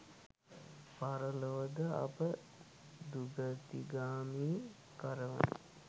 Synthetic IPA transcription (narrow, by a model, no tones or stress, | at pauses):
paɾəloʋəd̪əa̰pə | d̪uɡət̪iɡaːmiː | kəɾəʋə̰nə̰